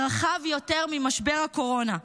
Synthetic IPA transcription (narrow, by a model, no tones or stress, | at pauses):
ʁaχavjo̞te̞ʁmimaʃbeʁhako̞ʁo̞na